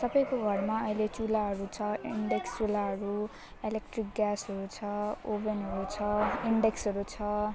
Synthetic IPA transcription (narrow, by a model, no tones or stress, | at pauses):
sʌbʌjkoɡʱʌrmaʌilet͡sulaɦʌɾut͡sʰʌiɳɖekst͡sulaɦʌɾu | elek̚ʈrik̚ɡjasɦʌɾut͡sʰʌobenɦʌɾut͡sʰʌiɳɖeksɦʌɾut͡sʰʌ